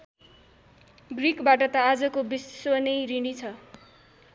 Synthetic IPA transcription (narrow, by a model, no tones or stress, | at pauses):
ɡrikbaʈʌt̪ʌad͡zʌkobiswʌnʌjɾiɽ̃it͡sʰʌ